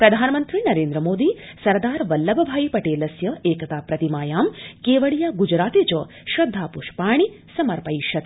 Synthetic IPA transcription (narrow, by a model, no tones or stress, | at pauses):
pɾɐd̪ʱaːnɐmɐnt̪ɾinɐɾeːnd̪ɾɐmoːd̪isɐɾd̪aːɾʋɐlːɐbɐbʱaːjipɐʈeːlɐsjɐeːkɐt̪aːpɾɐt̪imaːjaːmkeːʋɐɭijaːɡud͡ʒɾaːt̪eːt͡ʃɐ | ʃɾɐd̪ʱːaːpuʃpaːɳ̃i | sɐmɐɾpɐjʃɐt̪